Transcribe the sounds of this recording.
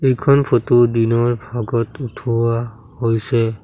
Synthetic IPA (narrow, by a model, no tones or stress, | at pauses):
ejkʰɔnpʰotodinɔɹbʱaɡɔtutʰuwa | hojsɛ